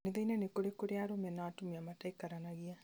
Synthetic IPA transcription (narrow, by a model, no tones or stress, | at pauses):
neðeinanekoɾekoɾeaɾomɛnaːtumiamataikaɾanaɣia